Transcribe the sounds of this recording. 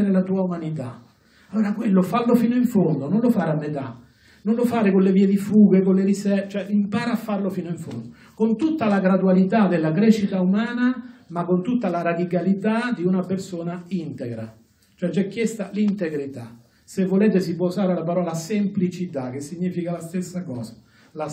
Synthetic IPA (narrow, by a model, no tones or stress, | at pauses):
ɾelat̪uːaumanit̪a̰ | alːoːɾakwelːofalːofiːnoiɱfond̪ononlofaːɾeamːet̪a̰ | nonlofaːɾekonleviːed̪ifuːɡekolːeɾisɛt͡ʃoɛʔimpaːɾaːfːarlofiːnoiɱfond̪o | kont̪ut̪ːalaɡɾad̪ualit̪ad̪elːakɾeʃːit̪aumaːnamakːont̪ut̪ːalaɾad̪ikalit̪ad̪iunapersoːnaint̪eɡɾa̰ | t͡ʃoɛt͡ʃɛkːjest̪alint̪eɡɾit̪a | sevːoleːt̪̬es̬ipwɔusaːɾelapaɾɔːlasemplit͡ʃit̪ak̟esːiɲːiːfikalast̪esːakɔːsḁ | la